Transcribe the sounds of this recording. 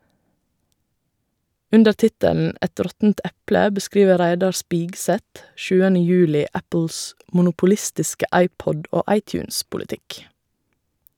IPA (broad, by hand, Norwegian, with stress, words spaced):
ˈʉndə ˈtɪtəln̩ ˈɛt ˈɾɔtn̩t ˈɛplə bəˈskɾiːʋə ˈɾæɪdɑɾ ˈspiːɡˌsɛt ˈʃʉːənə ˈjʉːlɪ ˈæpəls mʊnʊpʊˈlɪstɪskə ˈʔɑɪˌpɔd ˈoː ˈʔɑɪˌtjʉːnspʊlɪˌtɪk